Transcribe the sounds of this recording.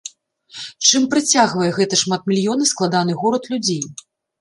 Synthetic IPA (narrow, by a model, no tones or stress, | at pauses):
t͡ʂɨmpɾɨt͡sʲaɣvɐjɛɣɛt̪ɐʂmat̪̚mʲilʲjɔnɐsklˠad̪an̪ɨɣɔɾɐt̪lʲud͡zʲej